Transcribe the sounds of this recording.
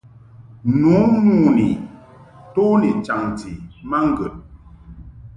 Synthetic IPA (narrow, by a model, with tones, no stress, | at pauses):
nu˨˦nu˦˨ni˨ | to˦ni˨t͡ʃa˨ŋt͡si˨ma˦ŋ̩˦ɡə˨t̚